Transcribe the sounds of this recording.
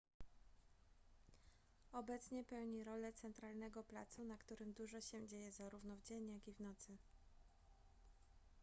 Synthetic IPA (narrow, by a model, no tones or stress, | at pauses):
ɔbɛt̪sɲɛpɛwɲiɾɔlɛt̪sɛnt̪ɾalnɛɡɔpla̰t̪sunakt̪uɾɘmd̪uʐɔɕɛd͡ʑejɛzaɾuvnɔvd͡ʑeɲjaɡʲivnɔt̪sɘ